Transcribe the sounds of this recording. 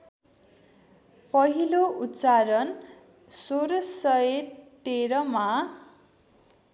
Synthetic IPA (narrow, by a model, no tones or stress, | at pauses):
pʌɦiloʔut̪ːt͡saɾʌn | soɾʌsʌt̪eɾʌma